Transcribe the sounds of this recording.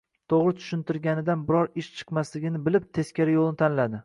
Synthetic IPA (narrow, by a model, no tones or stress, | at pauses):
t̪ʰoʁɾɪt̪ʰʊ̥ʃɪnt̪ɪɾɡʲanɪd̪anbɪɾɒɾɪʃt͡ʃʰɨ̥qmaslɪɡʲɪnɪbɪlɪp̚t̪ʰe̞skʲaɾɪjolˠnɪt̪ʰanlad̪ɪ